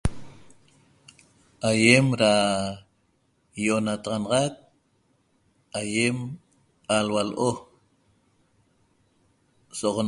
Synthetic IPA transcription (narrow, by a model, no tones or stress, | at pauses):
ʔajemɾa | joʔonat̪ɑʁɑnɑʁɑk̚ | ajem | alwalʔo | soʁo